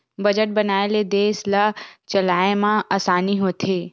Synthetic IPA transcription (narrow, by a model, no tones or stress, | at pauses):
bɐd͡ʒəʈ̚bɐnaːeled̪eːslat͡ʃɐlaːemãʔaːsaːniɦoːt̪ʰeː